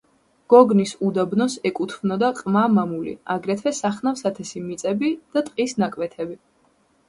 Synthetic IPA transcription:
ɡ̥ɔɡnisud̪abnɔsɛkʼut̪ʰvnɔd̪aqʼmamamulḭaɡɾɛt̪ʰvɛsaχnafsat̪ʰɛsimit̪sʼɛbid̪̥at̪ʼqʼisnakʼwɛt̪ʰɛbi

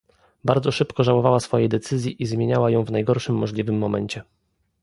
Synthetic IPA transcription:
baɾd̪zɔʂɘpkɔʐawɔvawasfɔjɛjd̪ɛt̪sɘzʲjiʔizmʲjeɲawajɔ̃w̃vnajɡɔɾʂɘmːɔʐlʲivɘmːɔmɛɲt͡ɕɛ

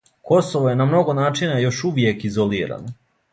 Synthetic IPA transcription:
ko̞soʋoje̞namno̞ɡo̞naːt͡ʃinajo̞ʃuʋje̞kizoliːɾa̰no

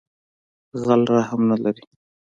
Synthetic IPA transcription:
ɣalɾahamnalaɾi

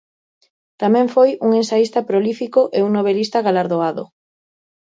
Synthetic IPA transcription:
t̪amɛ̃ɱfojuŋensaist̪apɾolifikoʔeuŋnoβelist̪aɣalaɾðoaðo̰

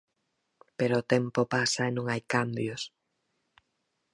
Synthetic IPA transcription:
peɾoːt̪ɛmpopasɐenõŋajkambjʊs

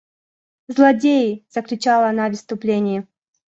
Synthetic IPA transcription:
zlˠɐdʲejɪz̥əklʲʊt͡ɕalˠəɐnavʲɪst̪ʊplʲenʲɪjɪ

